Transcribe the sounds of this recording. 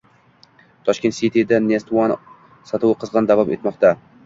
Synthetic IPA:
t̪ʰɒʃkʲet̪sʲit̪id̪anest̪uwan | sat̪ʰʊwɨqʰɨzʁɑnd̪avɒpe̞t̪mɒqt̪ʰa

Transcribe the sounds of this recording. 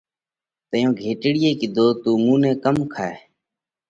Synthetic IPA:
t̪əjõːɡʱeːʈɽɪjeːkɪd̪ʱoːt̪uːmuːnẽːkəmkʰaːeː

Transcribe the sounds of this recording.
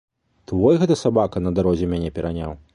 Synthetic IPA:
t̪vɔjɣɛt̪ɐsabakɐnɐd̪aɾɔzʲɛmʲanʲɛpʲɛɾʔanʲa̰w

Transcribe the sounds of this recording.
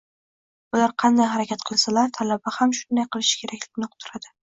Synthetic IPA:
ʊlaɾqʰɑnd̪ajɦaɾakʲat̪̚qʰɨlˠsalaɾt̪ʰalabahamʃʊnd̪ajqʰɨlˠɪʃɪ̥kʲʰe̞ɾakʲlɪɡʲnɪqʰʊ̥t̪ʰːʊɾad̪ɪ

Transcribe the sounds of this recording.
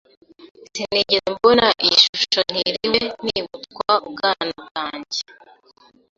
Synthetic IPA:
siniɟiɾembonaʔiʃuʃon̥iɾiwen̥iβutkwauβɡaːnab̚ɡaːɲɟe

